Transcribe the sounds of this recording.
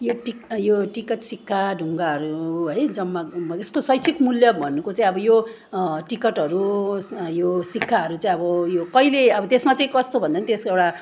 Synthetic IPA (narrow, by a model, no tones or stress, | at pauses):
joʈijoʈikʌʈsikʰːaɖʱuŋɡaɦʌɾuɦʌjd͡zʌmːʌt̪eskosʌjt͡sʰikmuljʌbʱʌnːukot͡saĩʌbʌjo | ʈikʌʈɦʌɾu | josikʰːaɦʌɾut͡saĩʌbʌjokʌileʌbʌt̪esmat͡sãĩkʌst̪obʱʌnd̪anʌt̪eskewʈa